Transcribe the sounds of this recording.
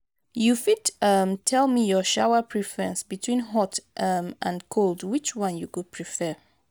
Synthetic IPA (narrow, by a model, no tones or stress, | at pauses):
jufidʌmtʰɛlˠmijɔʃawəpʰɹifəɹɛ̰̃nsbitʰwĩnɦɔtʔmʔãnkʰolˠdwit͡ʃwʌ̃njukud̚pʰɹifɛ